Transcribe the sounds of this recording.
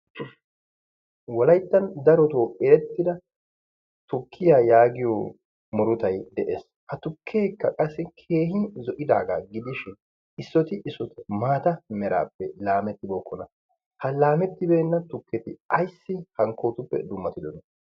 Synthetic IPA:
wɔlɐjt̪ːɐnd̪ɐɾɔt̪oːɛɾɛt̪ːɪd̪ɐ | t̪ʊkʰːɪjaːjaːɡɪjɔ | mɔɾʊt̪ɐjd̪ɛʔḛːs | hɐt̪ʊkʰːe̞ːkːɐkʼɐsːɪkʰe̞ːɦɪzɔʔɪd̪a̰ːɡa̰ːɡɪd̪ɪʃɪn | ɪsːɔt̪ɪʔɪsːɔt̪ɪmaːt̪ɐmɛɾa̰ːpːɛlaːmɛt̪ːɪboːkːɔnɐ | hɐlaːmɛt̪ːɪbeːnːɐt̪ʊkːɛt̪ɪ̰ɐjsːɪhɐŋko̞ːt̪ʊpːɛ̰d̪ʊmːɐt̪ɪd̪ɔnɐ

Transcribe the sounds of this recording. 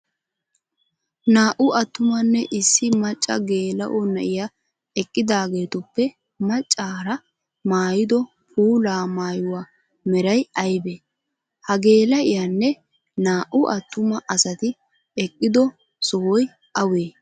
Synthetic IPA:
naːʔʊʔɐt̪ːʊmɐnːɛʔɪsːɪmɐt͡ʃʼːɐ̰ɡe̞ːlɐ̰ʔɔnɐ̰ʔɪja | ɛkʼːɪd̪aːɡe̞ːt̪ʊpːɛ | mɐt͡ʃʼːaːɾɐ | maːjɪd̪ɔ | pʰuːlaːmaːjʊwa | mɛɾɐjɐjbe | hɐɡe̞ːlɐʔɪjɐnːɛ | naːʔʊʔɐt̪ːʊmɐʔɐsɐt̪ɪ | ɛkʼːɪd̪ɔ | sɔwɔj | ʔɐweː

